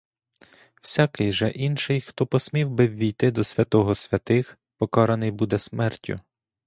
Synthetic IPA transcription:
w̥sʲakɪjʒɛʔinʃɪjxt̪ɔpɔsʲmʲiwbɪʋʲːijt̪ɪd̪ɔsʲʋʲɐt̪ɔɦɔsʲʋʲɐt̪ɪx | pɔkɑɾɐnɪjbud̪ɛsmɛrtʲʰːʊ̰

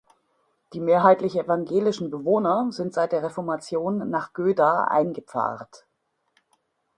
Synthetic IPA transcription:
d̥iːmeːɐɦaɪtlɪçʔevaŋɡeːlɪʃn̩bəvoːnɐzɪntz̥aɪt̚d̥eːɐʁɛfɔɐmat͡sjoːnːaːχɡ̥øːdaːʔa̰ɪnɡəp͡fa̰ːʁt

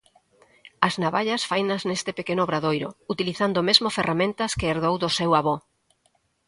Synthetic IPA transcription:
ɐznaβaʎɐsfajnɐznest̪ɪpekenoβɾaðojɾo̰ut̪iliθand̪oːmezmoferamẽnt̪ɐskeeɾðowðosɛwaβo

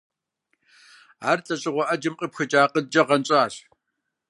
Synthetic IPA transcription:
aːrt͡sʼɐɕʼɪʁʷɔʔɐd͡ʒɪmqʼəpxɐd͡ʒʼaːqʼəd̚d͡ʒɐʁɐnɕʼaːɬ

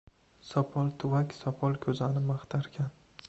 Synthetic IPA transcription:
sɒpʰɒlˠt̪ʰʊvakʲsɒpʰɒlˠkʲʰɵzanɪmaχt̪ʰaɾɡʲan

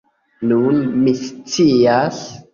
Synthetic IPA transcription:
nunmist͡sias

